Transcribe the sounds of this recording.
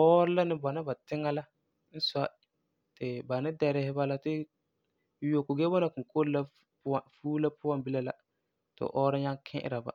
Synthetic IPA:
ɔː˦ɾɪ˦la˦nɪ˨˦ba˨na˦ba˨tɪ˦ŋːa˦la˦ | n̩˦sa˦ | tɪ˨ba˨nɪ˦dɛ˨ɾɪ˦hɪ˦ba˦la˦tɪ˦ | jo˨kʊ˨ɡɛ˦bɔ˦na˨kʊ˨ko˦ɾla˦ | a˨fuː˦la˦pʊ˦a˦mbi˦la˦la˦ | tɪ̰˨ʔɔː˦ɾɪ˦ɲa˦ŋkʰɛ̰˦ʔɪ̰˨ɾa˨ba̰˨

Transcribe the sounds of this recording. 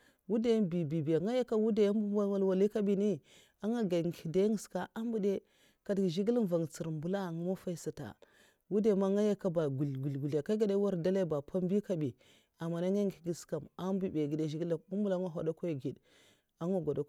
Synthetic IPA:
wu˦de˦bi˨bi˨bi˨ja˨ŋa˦ja˦ka˦wu˦de˦ja˦m˦bu˦wa˦wa˦lwa˨li˦ka˦bi˦ni˦ | a˦ŋa˦ɡa˨ŋ˨ɡi˨de˦ŋi˨ska˦ʔa˦mbu˦de˦ | ka˨dɡʒi˦ɡi˦lm˨va˨ŋ˨t͡si˨ɾmbu˨la˦˨ŋu˨˦ma˦fa˦i˦sa˨ta̰˨ | wu˦de˦˨ma˦ŋa˦ja˦ka˦ba˨ɡu˨lɡu˨lɡu˨lja˨ka˦ɡa˦de˦wa˦ɾda˦la˦ba˨pʰa˦m˦bi˦ka˦bi˨ | a˨ma˨na˦ŋa˦ŋ˦i˨ɡi˨ska˨ma˦mbu˦be˨ɡi˨de˨ʒi˦ɡi˦la˨u˦mbu˦la˦ma˦ɦa˨da˦ko˦˨ɡi˨d | a˦ŋa˦ɡo˨da˨˦

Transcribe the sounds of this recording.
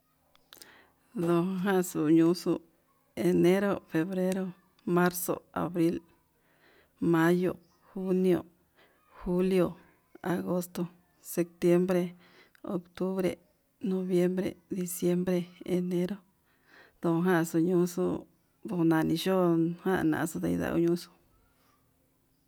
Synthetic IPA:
d̪o˨˧ɦã˦˨su˨ɲũ˧su˧ | e˨nẽ˦ɾo˦˨fe˨˧βɾe˦ɾo˦ | mã˦ɾso̰˨a̰˨βɾi˦l | mã˦jo̰˨ | xu˦njo̰˨ | xu˦ljo˨ | a̰˨ɣo˦st̪o˧ | se˧k̚t̪je˦mbɾe˧ | o˨˧kt̪u˦βɾḛ˨ | nõ˧βje˦mbɾḛ˨d̪i˧sje˦mbɾe˧e˨˧nẽ˦ɾo˦ | d̪o˧ɦã˦˧su˧ɲũ˦su˦ | d̪u˧nã˧˨˧nĩ˧ʃo˦˧hã˦˧˨nã̰˨ʔsu˧d̪a̰˧˨i˧ða̰˧˨ṵ˧˦ɲũ˦su̥˧

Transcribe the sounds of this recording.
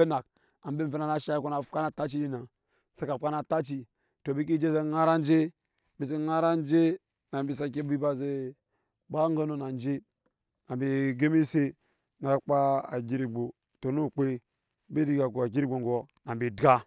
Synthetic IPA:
e˦na˨k | a˨m˦bi˦m̩˨ve˦na˨na˦ʃa˦i˦ko˦na˨fka˦na˨ta˦t͡ʃi˦di˦na˨ | se˦ka˨fka˦na˨ta˦t͡ʃi˨ | to˨bi˦k̬i˦d͡ʒe˦ze˦ŋa˦ɾa˦n˦d͡ʒe˦ | bi˨se˦ŋa˦ɾa˦n˦d͡ʒe˦ | na˨mbi˨s̬a˨k̬i˦bi˦ba˦ze˦ | ba˦ŋ˦ɡa˦no˨na˨n˦d͡ʒe˦ | na˨bi˨ɡe˦mi˦se˦ | na˨k͡pa˦a̰˨ɡi˦ɾi˨ɡ͡bo˨ | to˨nu˦˨k͡pe˦ | bi˦di˦ɡa˨ko˨a˨ɡʲi˦ɾi˦ɡ͡bo˨ŋɡo˨na˨bi˨dɡa˦

